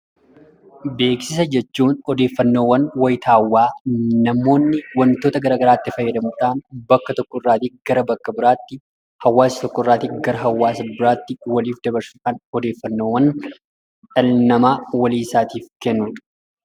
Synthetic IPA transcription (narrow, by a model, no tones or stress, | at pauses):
be̞ːksɪs̬ɐd͡ʒɛt͡ʃːuːnɔd̪e̞ːfːɐnːo̞ːwːɐnwɐjɪt̪ʰaːwːaːnɐmo̞ːnːɪwɐnt̪o̞ːt̪ɐɡɐɾaːɡɐɾaːt̪ːɪfɐjːɛd̪ɐmʊt̪aːnbɐkːɐt̪ɔkːɔɪrːaːt̪iɡ̥ɐɾɐbɐkːɐbɪɾaːt̪ːɪ | hɐwːaːsɐ̥t̪ɔkːɔɪrːaːt̪iɡɐɾɐɦɐwːaːsɐbɪɾaːt̪ːɪwɐliːfd̪ɐbɐɾsʊᶑɐnɔd̪e̞ːfːɐnːo̞ːwːɐn | ᶑʼɐlnɐmaːwɐliːsaːt̪iːfkɛnːʊn